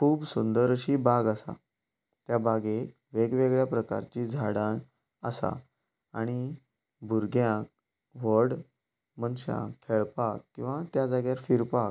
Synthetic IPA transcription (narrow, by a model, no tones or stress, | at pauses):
kʰuːbsund̪əɾəɕibaɡəsa̰ | t̪jabaɡe | ʋeɡʋeɡɭjapɾəka̰ɾt͡ɕid͡zʱaɽãn | ə̰sa̰ | aɽ̃i | bʱuɾɡjãk̚ | ʋəɽ | mənɕã̰kʰːeɭpakːĩw̃ʋat̪jad͡zaɡjaɾfiɾpak